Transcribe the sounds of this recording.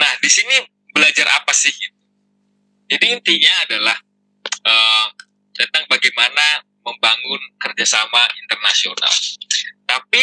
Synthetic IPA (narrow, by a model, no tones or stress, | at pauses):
nahdisini | bəlad͡ʒarʔa̰pasɪhɡit̪̚u | d͡ʒadiːnt̪iɲaːdalah | ə | t̪ənt̪aŋbaɡajmana | məmbaŋʊnkərd͡ʒasamaʔint̪ərnasiona̰lt̪api